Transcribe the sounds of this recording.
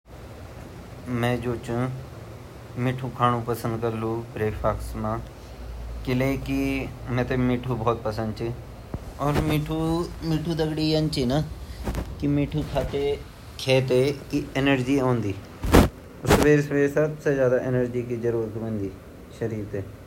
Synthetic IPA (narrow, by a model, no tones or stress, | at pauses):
mɛ̃ːd͡ʒoːt͡ʃ | mɪʈʰuːkʰaːnũːpəsə̃nd̪kəɾlũːbɾeːpʰaːksmãː | kɪleːkɪmɛ̃ːt̪eːmɪːʈʰuːbɔːt̪̚pəsə̃nd̪t͡ʃi | ɔːɾmiːʈʰuːmiːʈʰuːd̪əɡɽiːənt͡ʃiːna | kɪmiːʈʰuːkʰaːt̪eː | kʰeːt̪̬eːkɪɪnəɾd͡ʒiːõːnd̪iː | ɔɾsəʋeːɾsəʋeːɾsəbseːzjaːd̪aːʔɪnəɾd͡ʒiːkiːzəɾuːɾət̪ʋə̃ːnd̪iː | ʃəɾiːɾt̪eː